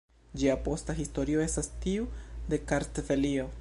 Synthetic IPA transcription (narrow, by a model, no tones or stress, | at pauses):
d͡ʒiapo̞staɦisto̞ɾio̞e̞stastiude̞kaɾtvelio̞